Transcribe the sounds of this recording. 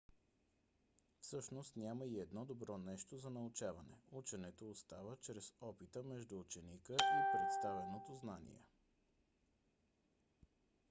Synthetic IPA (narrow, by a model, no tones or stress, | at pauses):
fsɤʃnost̪nʲaməiɛd̪nɔd̪obɾɔnɛʃt̪ozɐnɐʊt͡ʃavɐnɛ̰ut͡ʃɛnɛt̪oːst̪avət͡ʃɾɛsɔpit̪əmɛʒd̪uːt͡ʃɛnikəipɾɛt̪st̪avɛnot̪oznanḭɛ̰